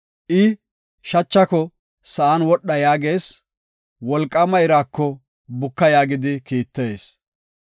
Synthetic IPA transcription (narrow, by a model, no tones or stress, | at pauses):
ʔɪ | ʃɐt͡ʃːɐkɔ | sɐʔɐnwɔɗːɐjaːɡe̞ːs | wɔlkʼːɐmɐjɾaːkːɔ | bʊkːɐjaːɡɪd̪ɪkiːt̪ːeːs